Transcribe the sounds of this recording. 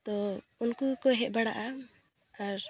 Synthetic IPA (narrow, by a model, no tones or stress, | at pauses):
t̪ɔ | unkukɔɦɛʔ̚baɽaʔa | aɾ